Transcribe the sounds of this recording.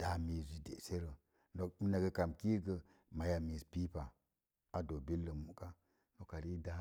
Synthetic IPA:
d̥a˨mi˨zi˨dḛ˨se˦ɾə˨ | no˨mi˦na˨ɡə˧ka˨mki˦ɡə˧ | ma˨ja˨mi˨spi˦pa˨ | a˨do˨bi˦lːə˨mu˨ka˦ | no˨ka˨ɾi˦da˦

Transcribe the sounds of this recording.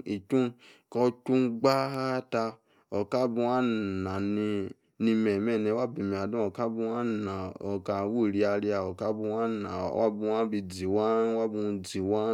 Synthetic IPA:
i˨t͡ʃũ˦ | kɔ˧t͡ʃu˦ɡ͡ba˦ha˦ta˧ | o˨ka˦bu˧wa˦˨na˨ni˧ | ni˧mɛ˨mɛ˦˨nɛ˨˧˦wa˦˨bi˧˨mi˨a˨dũ˦o˨ka˦bu˧˦a˦na˨o˨ka˨wu˦˨ɾi˧˦a˧ɾi˦a˨o˨ka˦bu˧wa˦na˨wa̰˦bũ˧wa˦bi˧d͡zi˨wa˦wa˦bũ˧d͡zi˨wa˦

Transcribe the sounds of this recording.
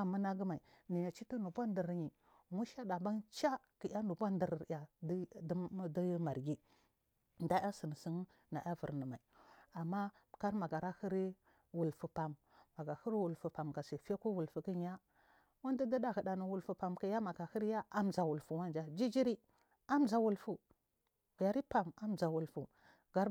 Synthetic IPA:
a˨ma˦na˦ɡə˦ma˨i˨ni˨ja˨t͡ʃi˦tu˦nu˨bʷa˦ndə˨ɾɲi˨ | mu˦ʃa˦da˨ba˦nt͡ʃa˦ki˨ʔa˦nu˨ba˦ndi˨ɾɾja˨˦ | da˦jma˨ɾɡi˦ | nda˦a˦si˨n˨si˦n | na̰˨ʔa˦və˨ɾnə˨ma˨i˨a˨mːa˦ka˦ɾma˨ɡa˨ɾa˦hi˦ɾi˦ | wu˨lfu˨pa˨mː | a˨ɡa˨hə˦ɾwu˨lfu˨pa˨mɡa˨se˨fe˦ku˦wu˨lfu˨kə˦ɲ˦a˦ | wa˦ndi˦də˦da˦ɣə˨da˨nə˨wu˨lfu˨pa˨mka˨ja˦ma˨ɡa˨hə˦ɾja˦a˦mza˨wu˨lfu˨wa˦nd͡ʒa˨d͡ʒi˦d͡ʒi˦ɾi˦ | a˦md͡ʒa˨wu˦lfu˨ | a˨ɾi˦pa˨ma˦md͡za˨wu˨lfu˨ | ɡ̥a˨ɾ

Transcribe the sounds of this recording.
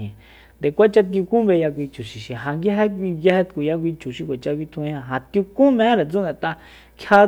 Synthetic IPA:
ĩ˨ | nd̪e˨kʷa˦t͡ʃa˦t̪̬i˧u˧kũ˦βe˧ja˧kʷi˧t͡ʃu˨ʃi˨ʃĩ˨ɦa˧ŋɡja˦ɦe˦kʷi˧ja˧he˦˧t̪ku˨ja˧k̬ʷi˧t͡ʃu˨ʃi˧kʷe˨t͡ʃa˧ki˧t̪ʰũ˧˦ã˧˨ɦã˨t̪ju˧kũ˦mẽ˧˦ẽ˦ɾe˨t͡su˦nẽ˧˨t̪a˧ | kʰja˦

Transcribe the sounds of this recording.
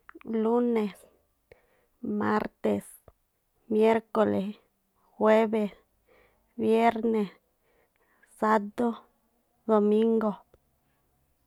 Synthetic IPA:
lu˦ne˨s | ma˦ɾt̪e˨s | mje˦ɾko˨le˨s | xwe˦be˨s | bje˦ɾne˨s | a˦t̪o˦ | d̪o˨mi˦ŋɡo˨

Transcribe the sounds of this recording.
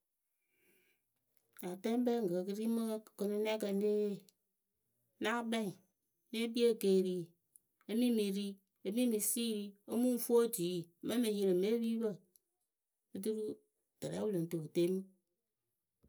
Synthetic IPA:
a˨tɛ˦m˦bɛ˦ŋɡə˨kɨ˧ɾi˦mə˦˨kə˧nɨ˧n˦ɛ˦kə˧n˦de˦˨ | na˦bɛ˦ĩ˨ | ne˦bi˦e˦˨ke˧˨ɾi˦ | ə˦mĩ˦mi˧ɾi˦ | ə˦mĩ˦mi˧siː˦˨ɾi˦ə˦mũ˦fu˦o˦˨d͡ʒiː˨˦˨mɛ˦mɨ˧˦ji˧ɾɨ˨me˦wi˦bə˦˨ | ə˦du˦ɾu˦ | tɛ˨ɾɛ̰˨˦wu˦lo˨n˨to˨kte˦mɨ˦

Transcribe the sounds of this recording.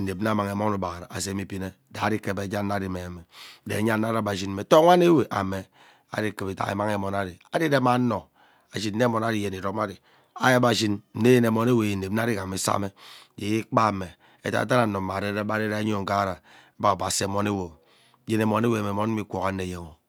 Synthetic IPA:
e˨p̚n˦a˦ma˨ŋe˨mo˦u˦ba˨ɾa˨a̰˨s̬e˦mi˦pi˦ne˦˨da˨˦di˦ke˨be˨˦d͡ʒa˦nː˦a˦di˨me˨a˨me˨dḛ˨˦ɲa˦nː˦a˦ɾa˨ba˨d͡ʒi˦n˦me˨to˦a˦ne˦we˨ʔa̰˨me˨ | a̰˨di˦ke˨be˨ta̰˨ḛ˨ma˦ŋe˨mɔ˨na˦di˨a˦di˦de˦ma˨˦no˨ | a˨d͡ʒi˦nn̩ː˦e˦mɔ˨na˦di˨je˨ne˨ɾo˦ma˦di˨ | a˦ja˦ba˨d͡ʒi˦nn̩˦e˦je˦ne˨mo˨ne˦we˨je˨n̩˨e˨˦n˦a˦di˦ka˨me˨˦sa̰˦me˦je˨i˦k͡pa˦˨me˨ | ḛ˨ta̰˨t̬a˦na˨˦no˨ma˨de˦e˦ba˦ɾe˦ɾa˦ɲo˨ŋ̩˨ka˦ɾa˨˦ | ba˦˨ba˨se˨mo˨ne˦wo˨˦ | je˨ne˨mo˨ne˦we˨a˨me˨mo˦n̩˦i˦kʷo˨ka˨˦ne˨je˨ŋo˨

